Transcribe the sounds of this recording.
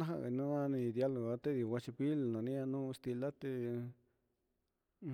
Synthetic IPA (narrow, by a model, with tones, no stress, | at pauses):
nã˦ɦã̰˧˨ɣḛ˨nã˦nã˦˧nĩ˧d̪ja˦lo˨a˧t̪e˦ði˨wa˧t͡ʃi˧pi˦lnã˨nĩ˦a˧nũ˦˧st̪i˧la˦t̪e˧